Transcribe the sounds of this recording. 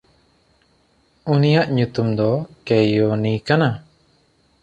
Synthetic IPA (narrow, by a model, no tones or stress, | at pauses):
unijaʔɲut̪umd̪ɔkɛjɔnikana